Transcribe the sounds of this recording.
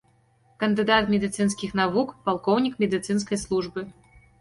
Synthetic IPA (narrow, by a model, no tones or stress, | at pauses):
kɐnd̪ɨd̪at̪mʲɛd̪ɨt̪sɨnskʲixnavukpalˠkɔwnʲikmʲɛd̪ɨt̪sɨnskɐjslˠuʐbɨ